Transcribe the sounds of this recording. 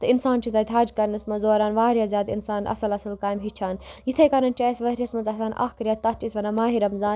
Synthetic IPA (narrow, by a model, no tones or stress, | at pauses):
t̪ɐinsaːnt͡ʃʰit̪ɐt̪ʰʲɦaːd͡ʒkɐɾnɐsmɐzoːɾaːnʋaːɾjaːzjaːd̪insaːnʔɐ̰sɐlɐsɐlkaːjmɦit͡ʃʰaːnjit̪ʰekɐɾɐnt͡ʃaːjsʋɐɾʲɐsmɐt͡sɐsaːnʔɐ̰ːhkɾʲjɐt̪ːɐt͡ʃisʋɐnamaːɦiɾɐmzaːn